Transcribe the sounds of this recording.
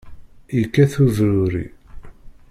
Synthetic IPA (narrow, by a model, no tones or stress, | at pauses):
ikːæθuðɾʊɾḭ